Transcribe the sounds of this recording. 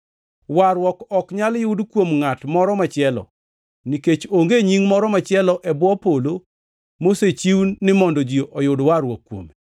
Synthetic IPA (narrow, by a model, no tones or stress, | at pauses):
waɾwɔkɔkɲaljʊdkwomŋatmɔɾɔmat͡ʃɪɛlɔ̰ | niket͡ʃoŋɡeɲiŋmɔɾɔmat͡ʃɪɛlɔʔɛbwɔpolo | moset͡ʃiwnːɪmɔndɔd͡ʒioʔɔjʊdwaɾwɔkːwo̰me